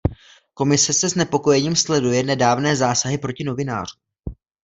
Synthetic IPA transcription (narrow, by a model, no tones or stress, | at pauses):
ko̞mɪsɛsɛznɛpo̞ko̞jɛɲiːmslɛdujɛnɛdaːvnɛːzaːsaɦɪpɾo̞cɪno̞vɪna̰ːr̝u